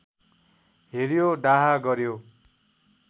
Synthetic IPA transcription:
ɦeɾijoɖaɦaɡʌɾjo

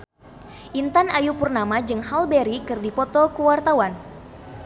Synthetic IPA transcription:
ʔint̪anajupurnamad͡ʒɨŋhalbeɾikɨrdipɔt̪ɔkuwart̪awan

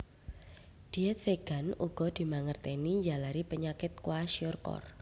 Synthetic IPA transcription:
d̪̥iɛt̪̚feɡ̥a̤nuɡ̥ɔ̤d̪̥i̤maŋərt̪ɛniɲd͡ʒalaɾipəɲakɪt̪̚kwasiɔrkɔ̰r

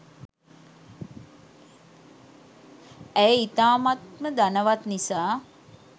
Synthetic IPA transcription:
æjəit̪aːmat̪məd̪anəʋat̪nisaː

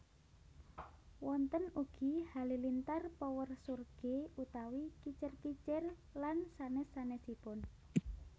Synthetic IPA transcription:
wɔnt̪ənuɡ̥i̤halilint̪arpɔwərsurɡ̥eut̪awikit͡ʃərkit͡ʃər | lansanɛsanɛsipʊn

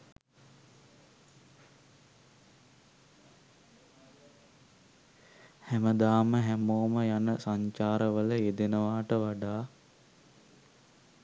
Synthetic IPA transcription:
hæməd̪aːməɦæmoːməjanəsaɲt͡ʃaːɾəʋələed̪enəʋaːʈəʋaɖaː

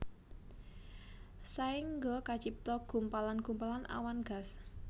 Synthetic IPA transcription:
saɪŋɡɔkat͡ʃip̚t̪ɔɡ̥ṳmpalanɡ̥umpalanʔa̰wanɡ̥a̤s

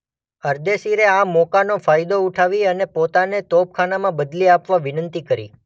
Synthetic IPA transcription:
əɾd̪esiɾeamɔkanofajd̪ouʈʰaʋiənepot̪anet̪op̚kʰanamãbəd̪liapʋaʋɪnənt̪ikəɾḭ

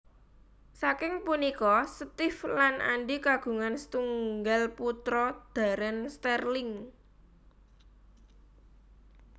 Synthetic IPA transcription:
sakɪŋpunikɔsət̪ɪflanʔa̰ɳɖikaɡ̥ṳŋanst̪uŋɡalput̪ɾɔd̪̥a̤ɾənst̪ɛrlɪŋ

